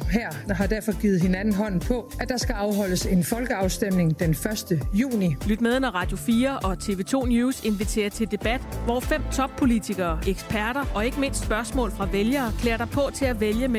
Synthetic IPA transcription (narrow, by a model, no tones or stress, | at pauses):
hæɐ̰ɦɑ̈d̥æɐ̰fɒ̽ɡ̥iːð̩ˠhe̝nænn̩ɦɒ̽n̰n̩pʰɒ̽æd̥ɑ̈sɡ̥æɑ̈ʊɦɒ̽l̰əse̝nfɒ̽lɡ̥əɑ̈ʊsd̥emne̝ŋd̥enfɶɐsd̥əjṵːnilyd̥meðˠnɒʁɑ̈d̥jo̝fiːɐʔɒ̽t͡sʰe̝̰ːʋe̝ːt͡sʰo̝̰ːnjuːse̝nʋit͡sʰe̝̰ːɐt͡sʰe̝ld̥e̝b̥æd̥ʋɒfem̰t͡sʰɒ̽b̥pʰo̝lit͡sʰiɡ̥ɐːʔeɡ̥spʰæɐɾ̥ɐʔɒ̽e̝ɡ̥əme̝n̰sd̥sb̥ɶɐsmɔ̰̽ːlfʁɑ̈ʋeljɐːkʰlḛːɐɾ̥ɑ̈ɪpʰɒ̽t͡sʰe̝læʋeljəme